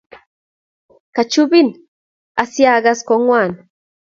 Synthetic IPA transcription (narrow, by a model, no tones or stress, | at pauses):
kat͡ʃubin | asiaɡaskɔŋwan